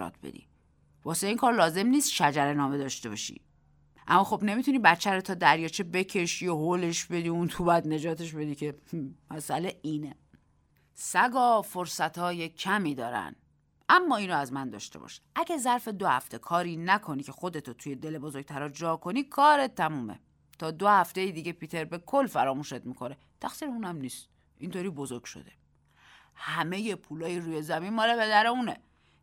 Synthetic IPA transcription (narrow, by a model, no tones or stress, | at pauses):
ɒ̰ːt̪̚ʰbḛd̪ḭ | vɒːse̞iːŋkʰɒːɾlɒːze̞mniːst̪ʃæd͡ʒæɾe̞nɒːme̞d̪ɒːʃt̪e̞bɒ̰ːʃḭ | ʔæ̰mːɒːxo̞bne̞mit̪ʰuniːbæt͡ʃʰːæɾot̪ʰɒːd̪æɾjɒːt͡ʃʰebe̞cʰe̞ʃiːoɦole̞ʃbe̞d̪iːunt̪ʰubæd̪ne̞d͡ʒɒːt̪ʰe̞ʃ̬be̞d̪iːcʰe̞mæsʔæleiːne | sæɡɒːfo̞ɾsæt̪ʰɒːje̞cʰæmiːd̪ɒːɾæ̰n | ʔæmːɒːiːnɔæzmænd̪ɒ̰ːʃt̪e̞̰bɒ̰ːʃi̥ʔæɟæzæɾfe̞d̪ohæ̰ft̪ʰe̞kʰɒːɾiːnækʰo̞niːcʰe̞xo̞d̪e̞t̪ʰot̪ʰuːjed̪e̞lebozo̞ɡ̚t̪ʰæɾɒd͡ʒɒːkʰo̞niːkʰɒːɾet̪ʰːæmuːmḛ | t̪ʰɒːd̪ohæft̪ejid̪iːɟepʰiːt̪ʰe̞ɾbe̞kʰo̞lːfæɾɒːmuːʃet̪miːkʰo̞ne | t̪ʰæxsiːɾeuːnæmniːst̪̚ | ʔint̪ʰoɾiːbo̞zo̞ɾɡ̥ʃo̰d̪e̞ | hæmeje̞pʰuːlɒːjiɾuːjezæminmɒːlepe̞d̪æɾeune